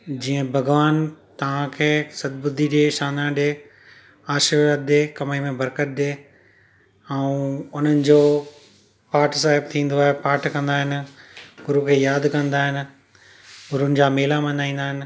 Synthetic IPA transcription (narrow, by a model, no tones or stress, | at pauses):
d͡ʑiːə̃bʱɐɡʋaːnt̪ɐʋ̤ãkʰeːsɐd̪̚bʊd̪ʱiɗeːʃaːnãɗeː | aːʃəɾʋad̪eːkɐmemẽbɐɾkət̪̚d̪eː | ɛũʊn̤ənɪ̆d͡ʑoː | paːɾʈʰs̬aːɦɪbt̪ʰĩːn̆d̪oaːɦepaːɾʈʰkɐ̃nd̪aːɦɪnɪ̆ɡʊɾukʰeːjaːd̪kɐ̃nd̪aːɦɪnɪ̆ | ɡʊɾʊnɪ̆d͡ʑaːmeːlamɐ̃nd̪aːĩːn̆d̪aːɦɪnɪ̆